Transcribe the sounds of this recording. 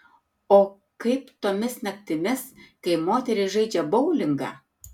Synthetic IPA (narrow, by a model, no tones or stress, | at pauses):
oː | kɐɪpt̪oːmʲɪsnʲɐk̚t̪ʲɪmʲɪskɐɪmoːt̪ʲɛɾʲɪʒɐɪd͡ʒʲɛbɐʊlʲɪŋɡɑ̰